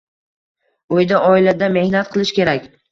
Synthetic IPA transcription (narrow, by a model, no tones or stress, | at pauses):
ojd̪aʔɒɪlad̪ame̞hnat̪̚qʰɨlˠɪʃkʲe̞ɾakʲ